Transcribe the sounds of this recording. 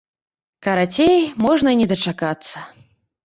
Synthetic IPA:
kɐɾat͡sʲejmɔʐnɐnʲɛd̪ɐt͡ʂakat̪sːɐ

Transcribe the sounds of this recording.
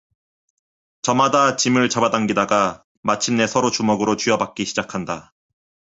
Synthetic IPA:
t͡ɕʌmadat͡ɕimɯɭt͡ɕabadaŋɡidaɡa | mat͡ɕʰimne̞sʰʌɾot͡ɕumʌɡɯɾot͡ɕɥjʌbak̚k͈iɕʰid͡ʑakʰanda

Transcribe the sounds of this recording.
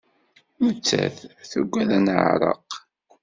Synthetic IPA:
mt͡sːæ̰θθə̰ɡʷːæðænʕɾˤə̰q

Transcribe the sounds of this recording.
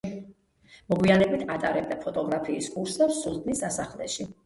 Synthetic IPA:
mɔɡwianɛbit̪ʰat̪ʼaɾɛb̚d̪apʰɔt̪ʼɔɡɾapʰiːskʼuɾsɛsulˠd̪nisd̪asaχlɛ̰ʃi

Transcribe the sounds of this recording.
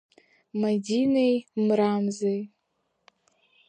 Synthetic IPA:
madinejmɾamzej

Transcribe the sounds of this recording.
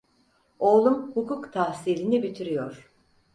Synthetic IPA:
o̞ːlˠumhukukt̪ʰahsiːlʲinibit̪ʰiɾijoɾ̥

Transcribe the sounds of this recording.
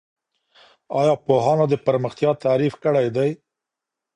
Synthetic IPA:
ɑjɑpoɦɑnod̪əpaɾməxt̪jɑt̪aɾifkəɽajd̪aj

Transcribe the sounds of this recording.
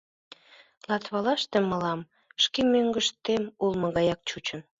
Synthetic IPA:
lɑt̪βɑlɑʃt̪eməlɑm | ʃkemøŋɡəʃt̪emulməɣɑjɑk̚t͡ɕut͡ɕən

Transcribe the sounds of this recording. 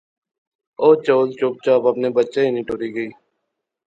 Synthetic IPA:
oːt͡ʃoːlt͡ʃoːp̚t͡ʃaːpəpneːbətːʃeːinĩːʈoːɾiːɡəiː

